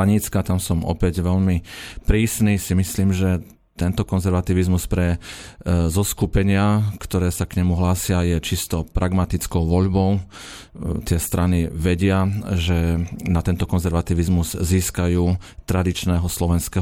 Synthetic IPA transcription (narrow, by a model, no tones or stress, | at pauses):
aɲiːt͡skat̪amsɔmɔ̰pɛɟʋɛʎmipɾiːsniːsimisliːmʒɛ | t̪ɛnt̪ɔkɔnzɛɾʋat̪iʋizmuspɾɛ | zɔskupɛɲɪakt̪ɔɾɛːsakɲɛmuɦlaːsɪajɛt͡ʃist̪ɔpɾʔaɡmat̪it͡skɔʊʋɔʎbɔʊ | t̪ɪɛst̪ɾʔaniʋɛɟɪaʒɛnat̪ɛnt̪ɔkɔnzɛɾʋat̪iʋizmuz̥ziːskajuːt̪ɾad̪it͡ʃnɛːɦɔslɔʋɛnskɛː